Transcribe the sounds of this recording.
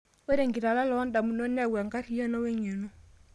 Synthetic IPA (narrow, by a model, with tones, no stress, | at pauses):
we˦ɾe˨ŋɡi˨ɾa˨la˦lɔ˨˦nda˨mu˨no˦nɛ˦˨wa˨ŋɡa˦ɾi˨jo˦nɔ˦we˦ɲo˨no˦